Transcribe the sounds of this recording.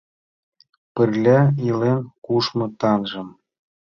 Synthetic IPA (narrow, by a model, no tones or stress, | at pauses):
pɘ̆rlʲæilenkuʃmɤ̆t̪ɑnʒɤ̆m